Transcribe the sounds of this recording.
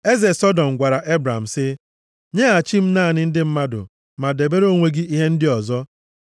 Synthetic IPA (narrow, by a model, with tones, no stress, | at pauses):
e˦ze˨sɔ˦dɔ˨m̩˨ɡʷa˨ɾa˨ʔe˦bɾa˨m̩˨sɪ˦ | ɲe˦a˨t͡ʃi˦m̩˦naː˦˨nɪ˦n̩˦dɪ˦m̩˦ma˦dʊ̰˨ | ma˨de˨be˦ɾo˦˨ŋʷe˦ɡi˦i˦ɦe˦n̩˦dɪ˦ɔ˨zɔ˦